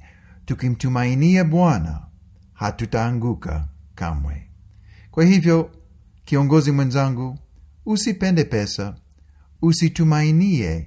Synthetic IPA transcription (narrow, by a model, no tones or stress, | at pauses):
tukim̩tumainiaɓwana̰ | hatutaːŋɡuka̰ka̰mwɛ̰kwahivjɔ | kiɔŋɡɔzimwɛ̃nzaŋɡuː | sipɛndɛpɛsa | usitumainiɛ